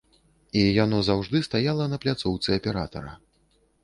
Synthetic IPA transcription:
ijanɔzawʐd̪ɨst̪ajalˠɐnɐplʲat̪sɔwt̪sɨɐpʲɛɾat̪ɐ̰ɾɐ

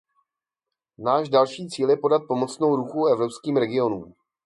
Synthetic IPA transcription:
naːʒdalʃiːt͡siːljɛpo̞dat̪̚po̞mo̞t͡sno̞wɾuxuɛvɾo̞pskiːmɾɛɡɪo̞nuːm

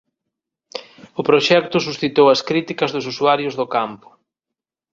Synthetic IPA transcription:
ʊpɾoʃɛk̚t̪ʊsusθit̪owɐskɾit̪ikɐzðʊsusuaɾjʊzðʊkampʊ̥

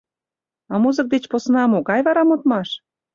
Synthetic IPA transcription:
ɑmuzə̆k̚d̪et͡ɕposnɑmoɣɑjβɑɾɑmot̪mɑʃ

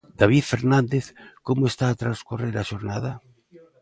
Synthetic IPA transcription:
d̪̥aβ̞iðfeɾnãnd̪eθkomoest̪aːt̪ɾaskureɾaʃoɾnaða

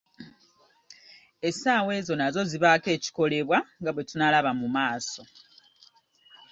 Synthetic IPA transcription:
e̞saːwe̞ːzo̞nazo̞ziβake̞ːci̥ko̞le̞βwaŋɡaβwe̞tunalaβamumaːso̞

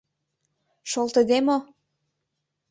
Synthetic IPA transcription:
ʃolt̪ə̆d̪emo

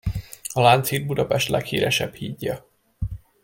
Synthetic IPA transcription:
ɒlaːnt̪siːd̪̚bud̪ɒpɛʃt̪lʔɛkhḭːɾɛʃɛbhiːɟːɒ

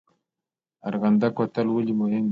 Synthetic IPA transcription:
aɾɣand̪akwat̪əlwəlimʊhɪm

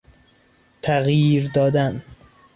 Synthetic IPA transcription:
t̪ʰæɣjiːɾd̪ɒːd̪æn

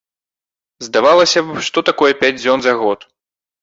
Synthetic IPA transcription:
zd̪avalˠɐsʲɐʂt̪ɔt̪akɔjɛpʲad͡zʲd͡zʲɔnzɐɣɔt̪

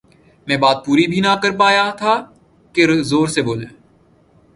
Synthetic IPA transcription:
mɛ̃ːbaːt̪̚puːɾibʱinakəɾpaːjat̪ʰaː | keɾzoːɾseboːlẽː

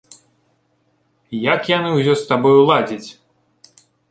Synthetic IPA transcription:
jakjanɨwzʲɔst̪abɔjulˠad͡zʲit͡sʲ

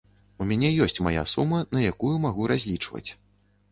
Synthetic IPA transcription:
umʲanʲɛjɔsʲt͡sʲmaja̰sumɐnɐjakujumaɣuɾazʲlʲit͡ʂvɐ̰t͡sʲ

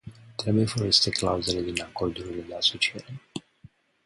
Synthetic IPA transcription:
t̪ɾe̞bujefoɾest̪eklauzeled̪inakord̪uɾiled̪easot͡ʃieɾe

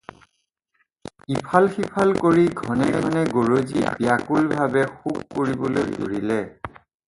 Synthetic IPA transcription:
ipʰalxipʰalkoɹiɡʱɔnɛɡɔnɛɡoɹozibijakulbʱabɛxukːoɹibɔlojdo̰ɹilɛ

